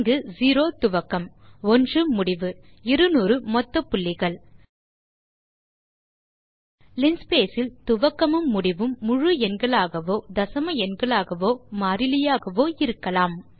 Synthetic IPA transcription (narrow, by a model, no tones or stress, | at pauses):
ŋɡɯziːɾoːt̪ʊʋɐkːɐmɔndrɯmːʊɽɪʋɯɪɾɯnuːɾɯmɔt̪ːɐpːʊɭːɪɣɐɭ | lɪnspeːsɪlt̪ʊʋɐkːɐmɯmːʊɽɪʋɯmːʊɻɯɛnɡɐɭaːɣɐʋoːd̪ɐsɐmɐɛnɡɐɭaːɣɐʋoːmaːɾɪlɪjaːɣɐʋoːɪɾɯkːɐlaːm